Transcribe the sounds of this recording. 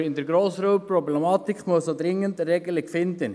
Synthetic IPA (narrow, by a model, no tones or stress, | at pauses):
ɪndəɾɡɾoːsɾuːpɾɔblɛmɑːt̪ikmuəssod̪ɾɪŋəndɾɛɡəlɪkfɪnd̪ən